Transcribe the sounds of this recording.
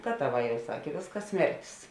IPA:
ˈɡɑːtɐˌʋɑː ˈjɛʊ ˈsɑːkʲeː ˈʋʲeːsˌkɐs ˈsʲmʲɛrʲtʲɪs

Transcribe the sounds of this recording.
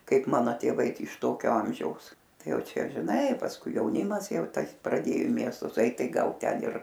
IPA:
ˈkɐɪp ˈmɑːnoː tʲeːˈʋɐɪ ˈtɐɪ ɪʃ ˈtoːkʲoː ˈɐmʲʒʲɛʊs ˈtɐɪ ˈjɛʊ ˈt͡ʃʲɛ ʒʲɪˈnɐɪ pɐsˈkʊɪ jɛʊˈnʲɪmɐs ˈjɛʊ ˈtɐs prɐˈdʲeːjoː ɪ ˈmʲiɛstʊs ˈɐɪt ˈtɐɪ ˈɡɐlˠ ˈtʲɛn ɪr

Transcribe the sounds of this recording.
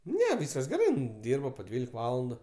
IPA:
ˈnʲɛ ˈʋʲiːskɐs ɡʲɛˈrɐɪ ɪn ˈdʲiːrbɐ poː ˈdʲʋʲiːlʲɪk ˈʋɑːlˠɐndʊ

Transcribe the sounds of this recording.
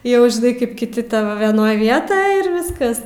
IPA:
jɛʊ ʒʲɪˈnɐɪ kɐɪp kʲɪˈtʲɪ ˈtɑːʋoː ʋʲɛˈnoːj ˈʋʲiɛtoːj ɪr ˈʋʲɪskɐs

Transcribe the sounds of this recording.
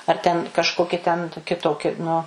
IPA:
ɐr tʲɛn kɐʃˈkoːkʲɪ tʲɛn toːˈkʲɪ ˈtoːkʲɪ nʊ

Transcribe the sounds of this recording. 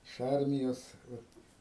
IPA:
ɪʃ ˈɐrʲmʲɪjoːs ˈʋɐt

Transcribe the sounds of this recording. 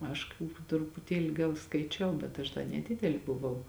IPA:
ˈɐʃ kɐ trʊpʊˈtʲiɛlʲɪ ˈɡɐlˠ skɐɪˈt͡ʃʲɛʊ bʲɛt ˈɐʃ dɐ nʲɛˈdʲɪdʲɛlʲɪ bʊˈʋɐʊ

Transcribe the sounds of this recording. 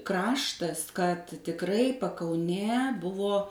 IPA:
ˈkrɑːʃtɐs kɐt tʲɪkˈrɐɪ pɐkɐʊˈnʲeː ˈbʊʋoː

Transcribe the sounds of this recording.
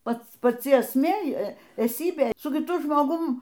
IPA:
ˈpɐts pɐˈt͡sʲɪ ɛsʲˈmʲeː ɛˈsʲiːbʲeː sʊ kʲɪˈtʊ ʒmoːˈɡʊm

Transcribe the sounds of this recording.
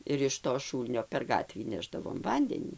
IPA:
ɪr ɪʃ toː ˈʃuːlʲnʲoː pʲɛr ˈɡɑːtʲʋʲiː ˈnʲæːʒdɐʋoːm ˈʋɐnʲdʲɛnʲiː

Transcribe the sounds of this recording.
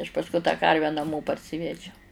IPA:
ɐʃ pɐsˈkʊɪ tɑː ˈkɐrʲʋʲæː nɐˈmoː pɐrʲˈsʲɪʋʲɛd͡ʒʲɛʊ

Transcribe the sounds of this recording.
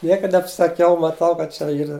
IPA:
ˈnʲiɛkɐ nʲɛpsɐˈkʲɛʊ mɐˈtɐʊ kɐt t͡ʃʲɛ ˈiːrɐ

